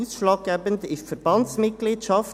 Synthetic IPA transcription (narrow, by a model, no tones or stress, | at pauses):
isʃlɑːk̚ɡɛːbəndɪfəɾb̥ɑntsmɪt̚ɡ̥liːtʃɑf